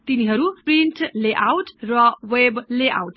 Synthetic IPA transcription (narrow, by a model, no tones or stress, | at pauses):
t̪iniɦʌɾuprinʈleʔawʈrʌwebleʔa̰wʈ